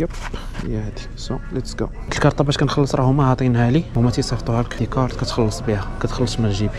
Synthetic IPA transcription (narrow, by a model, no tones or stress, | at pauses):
əp | jæhd̪i | solæt̪əsɡa̰w | t̪əlkɑɾˤt̪ˤɑbæʃkænxɑlːəsˤɾˤɑhʊmæhɑt̪ˤinhæliwmæt̪isˤɑft̪ˤuhælkt̪ikɑɾˤt̪kæt̪xɑlːəsˤbihækæt̪xɑlːəsˤmæʒibi